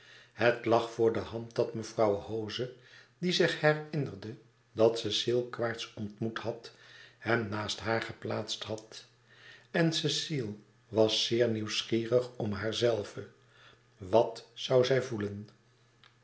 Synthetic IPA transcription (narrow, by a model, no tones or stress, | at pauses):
ɦətlɑχfʊːɹdəɦɑnt̚dɑtməvrɑwhowzədizɪχhɛrɪnərdə | dɑtsɛsilˠkʋaːɹtsɔntmuthɑthɛmnaːstɦaːɹχəplaːtstɦɑt | ɛnsɛsilˠ | ʋɑsːɪːɹniwsχiːrəχɔmɦaːɹzɛlˠvə | ʋɑtsɑwzɛjvulən